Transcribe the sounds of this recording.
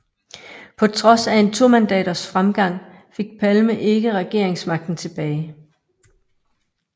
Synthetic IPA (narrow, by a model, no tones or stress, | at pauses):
pʰɒ̽t͡sʰʁɒ̽sæe̝nt͡sʰoɐ̰mænd̥ɛ̰ːɾ̥ɐsfʁamɡ̥ɑ̈ŋ̰ | fe̝ɡ̥̚pʰælməʔe̝ɡ̥əʁɛɡ̥e̝ɐ̰e̝ŋsmɑ̈ɡ̥̚d̥n̩t͡sʰe̝b̥ɛːɪ